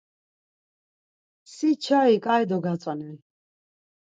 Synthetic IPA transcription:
sit͡ʃʰaikʼaid̪ɔɡat̪sʼwanili

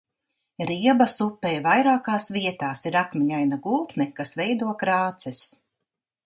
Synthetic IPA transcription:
ɾiɛbasupːɛjvajɾaːkaːsviɛt̪aːsiɾakmiɲajnaɡulˠt̪nɛkasvɛjd̪uɔkɾaːt̪sɛs

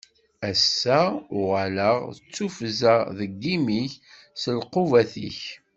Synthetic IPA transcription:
æsːæʊʁələʁət͡sːufəzæðəɡːimiç | səlqʊvæθiç

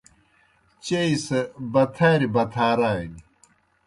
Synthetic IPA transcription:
t͡ɕeisɐbɐt̪ʰaːɾibɐt̪ʰaːɾaːjni

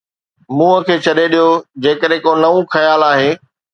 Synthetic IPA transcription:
mũːəkʰeːt͡ɕʰɐɗeɗijod͡ʑeːkəɗɦẽkonɐʋũxɐjaːlaːɦeː

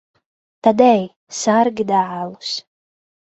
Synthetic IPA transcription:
t̪ad̪ɛj | sarɡʲid̪aʕalˠus

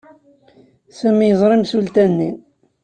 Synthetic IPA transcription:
sæmːjəzˤɾˤɪmsult̪ænːi

